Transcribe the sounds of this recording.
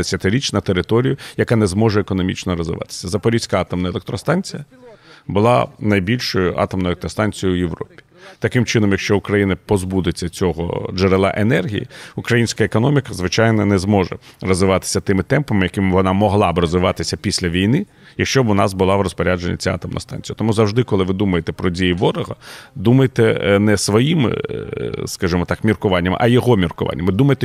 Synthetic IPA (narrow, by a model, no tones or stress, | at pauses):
esʲɐt̪ɪɾʲit͡ʃnɐt̪eɾɪt̪ɔɾʲijʊjɐkɑnɛzmɔʐɛːkɔnɔmʲḭt͡ʃnɔɾɔzʋɪ̰ʋɑ̰t̪ɪ̥sʲɐzɐpɔɾʲisʲkaɑt̪ɔmnɐelˠekt̪ɾɔst̪ɑnʲt͡sʲijɐbʊlˠɑ̰nɐjbʲilʲʃɔjʊʔɑ̰t̪ɔmnɔjɛlek̚t̪ɾɔst̪ɑnʲt͡sʲijʊʊjeʋɾɔ̰pʲi̥t̪ɐkɪmt͡ʃɪnɔmjɐkʃt͡ʃɔʊkɾɐjinɐpɔzbud̪ɪt͡sʲːɐt͡sʲɔɦɔ̰d͡ʒeɾelˠɑ̰ʔenɛrɦʲḭjḭukɾɐjinʲsʲkɐekɔnɔmʲikɐzʋɪt͡ʃɑjnɔnɛzmɔʒɛ̰rɔzʋɪʋɑt̪ɪ̥sʲɐt̪ɪmɪt̪ɛmpɐmɪjɐkɪmɪʋɔnɑmɔɦlˠɑbɾɔzʋɪʋɑt̪ɪsʲɐpʲisʲlʲɐʋʲijnɪ | jɐkʃt͡ʃɔbʊnɑsbʊlˠɑʋrɔspɔɾʲad͡ʒenʲːɐ̰t͡sʲɑ̰t̪ɐmnɐ̰st̪ɑ̰nʲt͡sʲjɐt̪ɔmuzɐwʐd̪ɪkɔlˠɪʋɪd̪umɐjet̪ɛpɾɔdʲijiʋɔɾɔɦɐ̰d̪umɐjet̪ɛnɛsʋɔjim̰ | skaʒɨmɔt̪ɑkmʲirkʊʋɑnʲːɐm̰ʔɐjɔɦɔmʲirkʊʋɑ̰nʲːɐmɪd̪umɐjet̪ɛ